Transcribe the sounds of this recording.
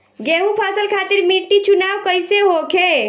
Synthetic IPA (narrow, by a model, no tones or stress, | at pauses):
ɡeɦupʰasəlkʰat̪ɪɾmiʈːit͡ʃunawkəjseɦokʰe